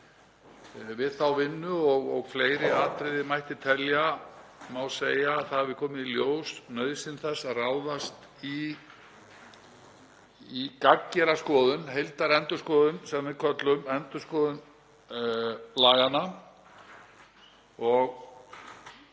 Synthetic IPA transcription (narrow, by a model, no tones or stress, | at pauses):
vɪðθawvɪnːʏɔɣɔɣfleːjɾɪaːt̪ɾɪðɪmajht̪ɪt̪ʰɛljamawseːjaːθaavɪðkʰɔːmɪðiljoːwsnœðsɪnθɛsːaðraːwðast̪ | i | kacːɛɾaskɔːðʏnɦejlt̪aɾɛnt̪ʏskɔːðʏnsɛmːɛkʰœt̪lʏmɛnt̪ʏskɔːðʏn | laːɣanːa | ɔɣ